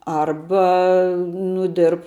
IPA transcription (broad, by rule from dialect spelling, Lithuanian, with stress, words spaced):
ˈɐrbɐ nʊ ˈdʲɪrp